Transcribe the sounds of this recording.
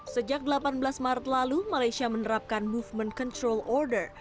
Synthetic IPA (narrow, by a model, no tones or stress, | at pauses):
səd͡ʒak̚dəlapanbəlasmaɾət̪̚lalumalajsiamənəɾap̚kanmufmənkɔnt̪ɾɔlɔrdər